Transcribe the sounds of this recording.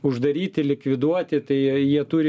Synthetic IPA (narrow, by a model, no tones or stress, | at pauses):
ʊʒd̪ɐɾʲiːt̪ʲɪlʲɪkʋʲɪd̪uɔt̪ʲɪt̪ɐɪjiɛt̪uːɾʲɪ